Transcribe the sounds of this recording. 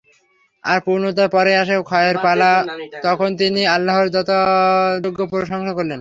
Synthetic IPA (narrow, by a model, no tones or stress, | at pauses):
aɾpuɾnot̪apɔɾeaʃekʰɔeeɾpalat̪ɔkʰont̪̬inialːaɦoɾd͡ʑɔt̪ad͡ʑoɡʱːopoɾiʃɔŋʃakoɾlen